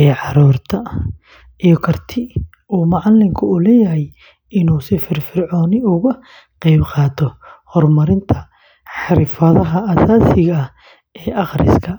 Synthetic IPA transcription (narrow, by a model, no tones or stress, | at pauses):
ɛːʕɑɾuːrt̪ʰɐ | ijɔkʰɐrt̪ʰɪ | uːmɑʕɑlːɪŋkʰʊʊlɛːjɐɦɛj | ɪnuːsɪfɪrfɪrʕɔːnɪʊɣɐ | qɛjbqɑːt̪ʰɔhɔrmɐɾɪnt̪ʰɐ | ħɑɾɪfɐðɐɦɐʔɐsaːsɪɣɐh | ɛːʔɑχɾɪ̰skʰɐ